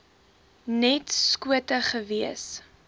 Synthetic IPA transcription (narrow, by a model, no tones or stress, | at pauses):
nɛtskuətəχəviəs